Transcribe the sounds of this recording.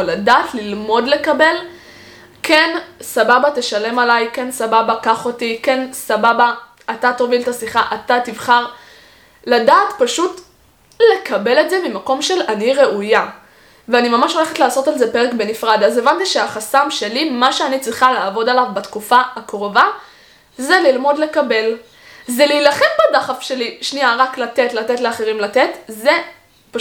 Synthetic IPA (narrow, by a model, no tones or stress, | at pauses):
oladaːtlilmo̞dle̞kabe̞l | kʰe̞nsababate̞ʃale̞malajke̞nsababakaχo̞tike̞nsababaː | tatoviltasiχaʔatativχaʁ | ladaːtpaʃut | le̞kabe̞le̞tze̞mimako̞mʃe̞laniʁe̞ʔuja | veanimamaʃo̞le̞χetlaːso̞talze̞peʁekbe̞nifʁadaze̞vant̪iʃeaχasamʃe̞limaʃeanit͡sʁiχalaːvo̞dalavbatkufaakʁova | zelilmo̞dle̞kabe̞l | zeliːlaχe̞mbadaχafʃe̞liʃniaʁaklate̞tlatetleaχe̞ʁimlate̞tze | pa